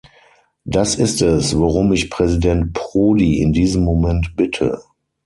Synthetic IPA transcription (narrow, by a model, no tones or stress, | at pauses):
d̥asɪstɛsvaʁʊmɪçpʁ̥ɛzidɛnt̚pʁoːdiɪ̰ndiːzəmːomɛ̃ntb̥ɪtʰə̰